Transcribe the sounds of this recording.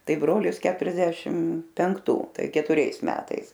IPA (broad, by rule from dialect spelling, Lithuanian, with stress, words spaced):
ˈtɐɪ ˈbroːlʲɪs ˈkʲæːtʊrʲɛzʲdʲɛʃʲɪm pʲɛŋkˈtuː ˈtɐɪ kʲɛtʊˈrʲɛɪs ˈmʲæːtɐɪs